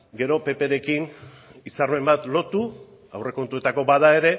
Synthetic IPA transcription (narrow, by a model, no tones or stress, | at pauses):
ɡe̞ɾo̞pe̞pe̞ɾe̞kin | isarme̞mbat̪lo̞t̪u | awre̞ko̞nt̪ue̞t̪ako̞baðae̞ɾe̞